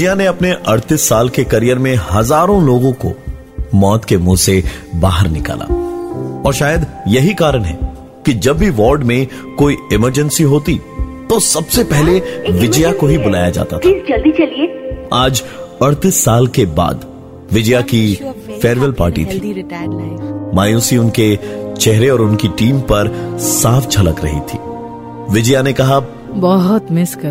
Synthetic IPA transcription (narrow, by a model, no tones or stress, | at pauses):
ɪd͡ʒjaneɐpneʔɐɽt̪ɪsːaːlkekɐɾijəɾmẽhɐzaːɾõloːɡõko̰ | mɔːt̪kemũːsebaːɦəɾnɪka̰ːla̰ːɔːɾʃaːjəd̪jɐɦikaːɾəɽɦɛ̰ | kid͡ʒɐbːʱiʋɔːɾɖmẽ | koːiɪməɾd͡ʒə̃nsiɦoːt̪it̪osɐbsepɛɦleʋɪd͡ʒjakoɦibʊla̰ːjad͡ʒa̰ːt̪aɪsd͡ʒɐld̪it͡ʃɐlieːaːd͡ʒɐɽt̪ɪsːaːlkeba̰ːd̪ | ʋɪd͡ʒjakifɛːɾʋəlpa̰ːɾʈḭt̪ʰiː | maːjuːsiʊnket͡ʃɛɦɾeɔːɾʊnkiʈiːmpɐɾsaːft͡ʃʰɐlə̰kɾɐ̰ɦḭt̪ʰḭː | ʋɪd͡ʒjanekɐɦa | bɔɦʊt̪mɪsk